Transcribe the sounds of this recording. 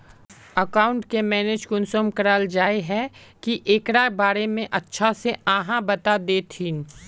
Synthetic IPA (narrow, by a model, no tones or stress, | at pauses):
əkaːʊ̃ɳʈkemɛːneːd͡ʒkʊnsomkəɾaːld͡ʒaːeɦɛkiʔeːkɾabaːɾemẽʔɐtːʃʰaseãːɦãbɐt̪ad̪eːt̪ʰiːn